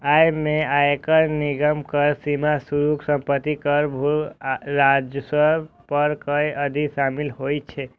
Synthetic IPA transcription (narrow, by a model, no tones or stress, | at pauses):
ajmẽaekəɾnɪɡəmkəɾsimasuɾuksə̃mpət̪ːikəɾbʱuɾad͡ʒəsə | pəɾkəjʔəd̪ʱisamɪlɦojt͡ʃʰe